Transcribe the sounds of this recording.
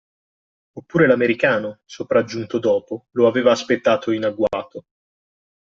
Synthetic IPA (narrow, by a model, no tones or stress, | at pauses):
opːuːɾelameɾikaːnosopɾad͡ʒːunt̪od̪ɔːpoloaveːvaːspet̪ːaːt̪oinaɡwaːt̪o